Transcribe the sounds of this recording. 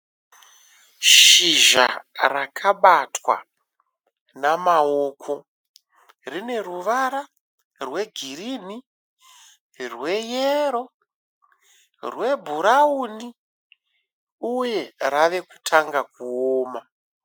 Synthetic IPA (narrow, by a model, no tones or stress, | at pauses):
ʃiʒa̰rakʰaɓatwa̰ | namaoːkʰo̞ | rine̞ruʋaɾa | rwe̞ɡʱiɾini | rwe̞jeɾo̞ | rwe̞bʱuɾauni | uje̞raʋe̞ku̥tʰaŋɡakuoːma